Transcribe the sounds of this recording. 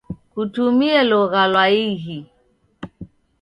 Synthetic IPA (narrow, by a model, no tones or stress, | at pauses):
kutumiɛlɔɣalwaiɦi